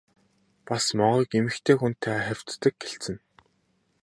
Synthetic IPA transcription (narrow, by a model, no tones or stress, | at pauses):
pasmɔʁɞːkemɘ̆xt̪ʰeːxunt̪ʰːaːχæw̥ʲt̪ːə̆k̚ɡeɬt͡sɘ̆n